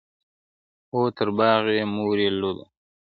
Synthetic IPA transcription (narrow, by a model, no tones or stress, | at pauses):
oːt̪ʰəɾbɑːɣemuːɾelod̪o̰